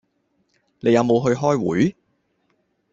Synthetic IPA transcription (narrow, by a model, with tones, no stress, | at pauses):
ne˨˧jɐ˨˧wmo˨˧wɦɵ˧ɥɦɔː˥jwṵː˨˥j